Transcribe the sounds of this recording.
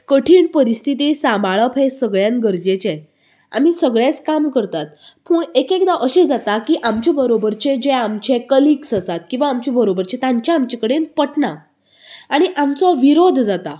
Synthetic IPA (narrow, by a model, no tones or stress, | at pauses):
kəʈʰiːɳpəɾist̪ʰit̪isãmaɭəpɦesəɡɭjãnɡəɾd͡ʑet͡ɕe | a̰m̤isəɡɭjat͡skamkəɾt̪at̪puːɳekekd̪aʔəɕed͡zat̪akiːʔamt͡ɕibəɾobəɾt͡ɕed͡ʑeamt͡ɕekəliksəsat̪̚kĩw̃ʋaːmt͡ɕibəɾobəɾt͡ɕet̪ãɲt͡ɕaːmt͡ɕekəɽenpəʈna | aɽ̃iʔamt͡sɔʋiɾod̪ʱd͡zat̪a